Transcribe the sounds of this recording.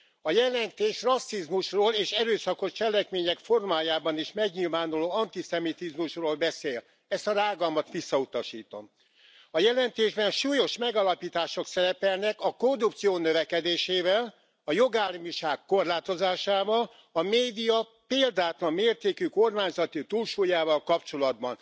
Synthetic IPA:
ɒjɛlɛnt̪eːʃrɒsːizmuʃroːleːʃɛɾøːsɒko̞ʃt͡ʃɛlɛkmeːɲɛkfo̞rmaːjaːbɒniʃmɛɡɲiːlvaːnuloːɒnt̪isɛmit̪izmuʃroːlbɛseːl | ɛst̪ɒraːɡɒmɒt̪ʋisːɒut̪ɒʃiːt̪o̞̰m | ɒjɛlɛnt̪eːʒbɛnʃuːjo̞ʃmɛɡɒlɒpiːt̪aːʃo̞ksɛɾɛpɛlnɛkɒko̞rdup̚t̪sijoːnøvɛkɛd̪eːʃeːvɛl | ɒjo̞ɡaːrmiʃaːkːo̞rlaːt̪o̞zaːʃaːvɒl | ɒmeːd̪ijɒ | peːld̪aːt̪lɒmːeːrt̪eːkyko̞rmaːɲzɒt̪it̪uːlʃuːjaːvɒlkɒpt͡ʃo̞lɒd̪̚bɒn

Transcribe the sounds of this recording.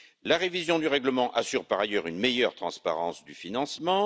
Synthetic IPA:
laʁevizjɔ̃d̪yʁɛɡləmɑ̃ʔasyʁpaʁajœʁynmejœʁt̪χɑ̃spa̰ʁɑ̰̃sd̪yfinɑ̃smɑ̃

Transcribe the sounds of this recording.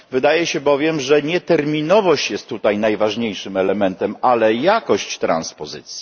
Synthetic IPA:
vɘd̪ajɛɕɛbɔvʲjɛmʐɛɲɛt̪ɛɾmʲinɔvɔɕt͡ɕjɛst̪ːut̪ajnajvaʐɲejʂɘmɛlɛmɛnt̪ɛmalɛjakɔɕt͡ɕt̪ɾa̰nspɔzɘ̰t̪sʲji

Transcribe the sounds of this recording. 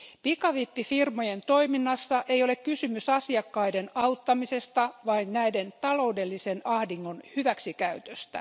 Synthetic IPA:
pikɑʋipːifirmojent̪o̞iminːɑsːɑʔe̞ijo̞le̞kkysymysɑsiɑkːɑide̞nɑut̪ːɑmise̞st̪ɑʋɑinnæide̞nt̪ɑlo̞ude̞lːisenɑhdiŋːo̞nhyʋæksikæyt̪øst̪æ̰

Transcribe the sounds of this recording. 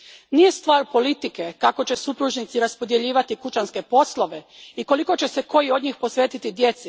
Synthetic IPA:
nije̞st̪ʋaːɾpo̞lit̪ikekako̞t͡ɕe̞supɾuʒnit̪siɾaspod̪je̞ʎiːʋat̪ikut͡ʃanske̞po̞slˠo̞ʋe̞ | iko̞liko̞t͡ɕe̞seko̞jio̞d̪ɲixpo̞sʋeːt̪it̪id̪je̞t̪si

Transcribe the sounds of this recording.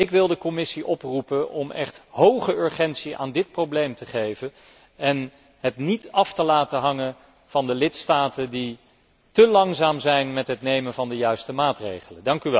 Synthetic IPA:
ɪkʋɪlˠdəkɔmɪsiʔɔprupənʔɔmɛ̰χthowχəʏɹχɛntsiʔa̰ːndɪt̚prowblejmtəχejvən | ɛn | ɦətnitɑftəlaːtəɦɑŋən | v̥ɑndəlɪtstaːtəndi | təlɑŋzaːmzɛjnmɛtɦətnejmənvɑndəjœɥstəmaːtrḛjχələndɑŋkyʋɛ

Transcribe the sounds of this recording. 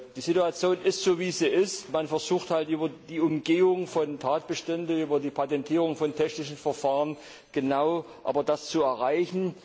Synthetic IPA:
d̥iːzituat͡sjoːnɪstz̥oːviːziːʔɪstmanfɛɐzuːxthaltʔyːbɐdiːʊmɡeːʊŋfɔntʰaːt̚b̥əʃtɛndəyːbɐdiːpʰatɛntʰiːʁ̞ʊŋfɔntʰɛçnɪʃn̩fɛɐfaːʁən | ɡ̥ənaʊ | ʔa̰ːbɐdast͡suɛɐʁaɪçn̩

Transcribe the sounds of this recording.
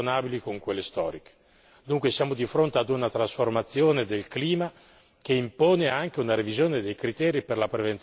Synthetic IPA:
onaːbilikoŋkwelːest̪ɔ̰ːɾike̥ | d̪uŋkwesjaːmod̪ifɾont̪ead̪unat̪ɾasformat̪sːjoːned̪elkliːma | k̟eimpoːneaŋk̟eunaɾevizjoːned̪ejkɾit̪ɛːɾiperlapɾevent̪

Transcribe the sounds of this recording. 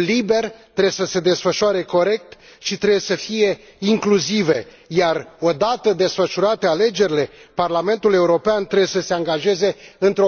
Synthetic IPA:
libe̞rt̪ɾeesəse̞d̪e̞sfəʃoaɾe̞ko̞ɾe̞k̚t̪ʃit̪ɾejesəfije̞ | iŋkluzive̞ | jaro̞d̪at̪əd̪e̞sfəʃuɾat̪e̞ale̞d͡ʒe̞ɾile̞parlame̞nt̪ule̞uɾo̞peant̪ɾe̞besəse̞aŋɡaʒe̞ze̞ɨnt̪ɾo

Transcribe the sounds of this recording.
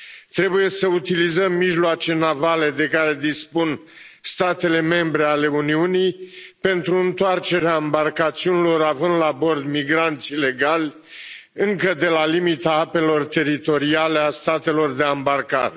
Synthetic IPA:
t̪ɾe̞buje̞səut̪ilizəmːiʒloat͡ʃe̞navale̞d̪e̞kaɾe̞d̪ispun | st̪at̪e̞le̞me̞mbɾe̞ale̞uniunijpe̞nt̪ɾuɨnt̪oart͡ʃe̞ɾeambarkat̪siunilo̞ɾavɨnd̪labo̞rd̪miɡɾant̪sile̞ɡalʲ | ɨŋkəd̪e̞lalimit̪aape̞lo̞rt̪e̞ɾit̪o̞ɾiale̞ast̪at̪e̞lo̞rd̪e̞ambarka̰ɾe

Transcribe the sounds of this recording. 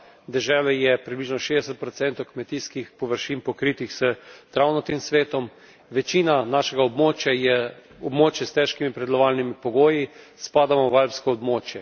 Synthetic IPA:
d̪ɛʒɛːlɛjɛpɾibliʒnɔʃeːd̪ɛsɛt̪̚pɾɔt̪sɛnt̪owkmɛt̪iskixpɔʋəɾʃinpɔkɾiːt̪ixz̥ət̪ɾawnɔt̪imsʋeːt̪ɔm | ʋɛt͡ʃiːnanaːʃɛɡaɔbmoːt͡ʃjajɛ | ɔbmoːt͡ʃjɛst̪ɛʃkimipɾɛd̪lɔʋaːlnimipɔɡoːji | spaːd̪amɔʋalpskɔːbmoːt͡ʃjɛ

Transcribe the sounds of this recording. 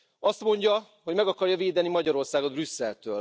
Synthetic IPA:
ɒst̪mo̞ɲɟɒ | ɦo̞ɟmɛɡɒkɒrjɒveːd̪ɛnimɒɟɒɾo̞rsaːɡo̞d̪brysːɛlt̪øːl

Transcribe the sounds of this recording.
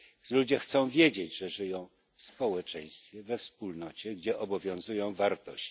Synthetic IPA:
lud͡ʑɛxt̪sɔ̃w̃vʲjed͡ʑed͡ʑʐɛʐɘjɔ̃w̃ | fspɔwɛt͡ʂɛ̃j̃st̪fʲjɛvɛfspulnɔt͡ɕɛɡd͡ʑɛʔɔbɔvʲjɔ̃w̃zujɔ̃w̃vaɾt̪ɔɕt͡ɕ

